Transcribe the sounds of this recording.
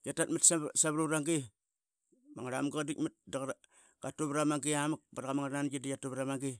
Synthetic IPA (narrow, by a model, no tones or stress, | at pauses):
jatatmitsasaβɾuɾaŋɡi | maŋaɾamɡadikmit̚daɣ | ɡ̥atuβɾamaŋɡiamak̚baɾɣamaŋaɾananɡidijatuβɾamaŋɡi